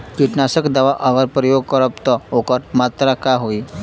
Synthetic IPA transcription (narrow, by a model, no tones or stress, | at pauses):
kiʈnasəkd̪aʋaʔəʋəɾpɾəjoɡ̚kəɾəpt̪ɔokəʈmat̪ɾakaɦoi